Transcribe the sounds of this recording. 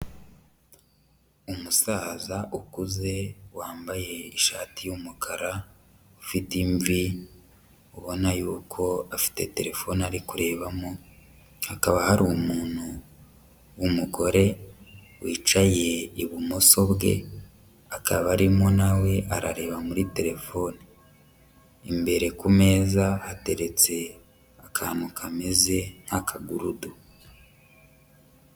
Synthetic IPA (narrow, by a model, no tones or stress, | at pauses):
umusaːzaʔukuze̞waːmbaje̞iʃaːtijumukʰaɾa | ufitiɱvi | uβo̞najuːkʰo̞afi̥te̞te̞ɾe̞fo̞naɾikuɾe̞ːβamo | hakaβahaɾumuːn̥hu | wumuɡo̞ɾe̞ | wiːt͡ʃaje̞iβumoso̞βɡe̞̰ | akaβaɾimo̞nawe̞ʔaɾa̰ɾe̞ːβamuɾite̞ɾe̞fo̞ni | imbe̞ɾe̞kume̞ːzahate̞ɾe̞t͡se̞ | akʰaːnukʰameze̞n̥hakʰaɡuɾudu